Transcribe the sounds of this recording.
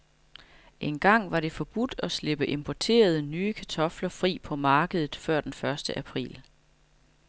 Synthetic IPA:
ʔe̝nɡ̥ɑ̈ŋ̰ʋɑ̈ɾe̝fɒ̽b̥ud̥ɒ̽sle̝b̥əʔe̝mpʰɒt͡sʰe̝̰ːɐð̞ˠənyːəkʰæt͡sʰɒ̽flɐfʁḭːpʰɒ̽mɑ̈ːɡ̥əð̞ˠð̩ˠfɶɐ̰d̥enfɶɐsd̥əʔæpʰʁḭːl

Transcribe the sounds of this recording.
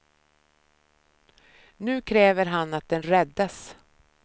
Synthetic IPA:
nʉ̟ːkʰɾɛːvəɾɦanːat̪̚d̪ɛnɾɛd̪ːas

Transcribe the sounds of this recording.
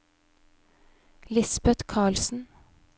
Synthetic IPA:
lɪsbɛt̪kʰɑːɭsn̩

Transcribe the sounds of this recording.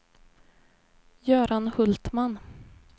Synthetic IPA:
jœːɾanhɵlt̪man

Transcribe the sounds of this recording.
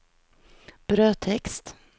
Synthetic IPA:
b̥ɾøːt̪ʰɛkst̪

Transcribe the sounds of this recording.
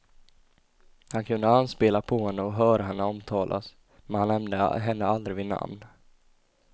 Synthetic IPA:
hankʰɵnd̪əanspeːlapʰɔhɛnːəɔɦœːɾaɦɛnːəɔmt̪ʰɑːlʔa̰s | mɛnhanːɛmnd̪ə̰ɦɛnːəald̪ɾɪvɪna̰mn

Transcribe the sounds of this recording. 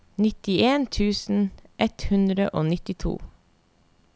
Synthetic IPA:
nɪt̪ɪeːnt̪ʰʉːsn̩ʔɛt̪hʉnd̪ɾəʔoːnɪt̪ɪt̪ʰṵː

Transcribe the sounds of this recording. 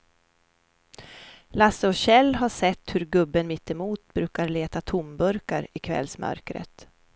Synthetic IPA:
lasəɔɕɛlːɦaʂɛt̪ːhɵɾɡɵbːənmɪt̪ːɛmuːt̪̚bɾʉ̟ːkaɾɭeːt̪at̪ʰʊmbɵɾka̰ɾɪkʰvɛ̰lsmœ̰ɾkɾə̰t̪

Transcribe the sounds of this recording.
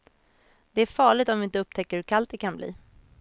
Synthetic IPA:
d̪̥ɛæɾfɑːɭɪɡt̪ɔmvɪɪnt̪əɵp̚ːt̪ʰɛkːəɾhɵɾkʰalt̪̚ːɛkʰanblḭː

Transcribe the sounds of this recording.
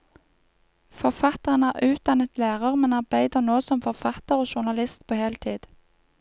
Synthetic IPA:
fɔʁfɑt̪əʁənæːʁʔʉːt̪̚d̪ɑnət̪læːʁəʁmɛnɑʁbæɪd̪əʁnoːsɔmfɔʁfɑt̪əʁoːʃʊʁnɑlɪst̪pʰoːhɛlt̪ʰiːd̪̥

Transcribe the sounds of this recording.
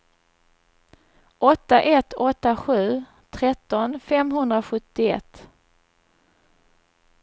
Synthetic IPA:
ʔɔt̪ːaʔɛt̪ʰːɔt̪ːaɧʉ̟ː | t̪ʰɾɛt̪ːɔnfɛmɦɵnd̪ɾaɧɵt̪ːɪɛ̰t̪ː

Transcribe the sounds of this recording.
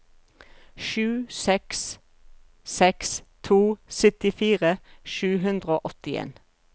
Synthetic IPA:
ʃʉːsɛks | sɛkst̪ʰuːsʏt̪ɪfiːʁəʃʉːɦʉnd̪ʁəoːʔɔt̪ɪḛːn

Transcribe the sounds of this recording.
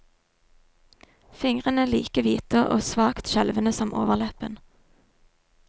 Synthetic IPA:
fɪŋʁənəliːkəʋiːt̪əʔo̰ːsʋɑːkt̪ʃɛlʋənəsɔmʔo̰ːʋəʁlɛpən

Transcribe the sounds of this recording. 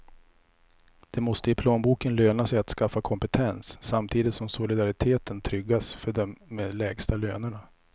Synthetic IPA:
d̪̥ɛmɔst̪əɪpʰloːnbuːkənløːnasɛjat̪skafːakʰɔmpɛt̪ʰɛnsːamt̪ʰiːd̪ɪt̪sɔmsʊlɪd̪aɾɪt̪ʰeːt̪ənt̪ʰɾʏɡːasfœɖɔmːeːd̪lɛːɡst̪aløːnəɳa

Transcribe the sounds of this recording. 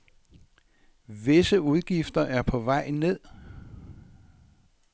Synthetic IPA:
ʋe̝səuð̞ˠɡ̥ifd̥ɐʔæɐpʰɒ̽ʋɑ̈ɪ̰ne̝ð̞̰ˠ

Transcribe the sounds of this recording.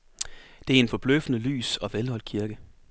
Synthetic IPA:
d̥e̝æɐe̝nfɒ̽b̥løfnəly̰ːsɒ̽ʋelhɒ̽l̥̚kʰiɐɡ̥ə

